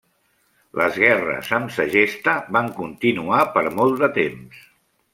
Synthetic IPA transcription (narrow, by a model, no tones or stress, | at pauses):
lʔə̰zɣɛrə̰zəmsəʒest̪əβaŋkunt̪inuapəɾmɔlˠd̪ət̪ems